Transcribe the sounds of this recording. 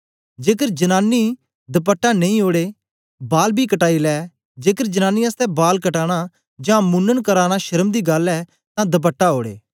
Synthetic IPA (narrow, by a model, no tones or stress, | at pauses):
d͡ʒeːkəɾd͡ʒɐnaːnːi | d̪ɐp̬əʈːanɐ̃ĩːɦoːɽeː | baːlbʱikəʈaːilɛː | d͡ʒeːkəɾd͡ʒɐnaːnːiəst̪ɛbaːlkəʈaːɽ̃a | d͡ʒãːmʊnːənkəɾaːɽ̃aʃɐɾəmd̪iːɡɐlɛː | t̪ãd̪ɐp̬əʈːaɦoːɽḛː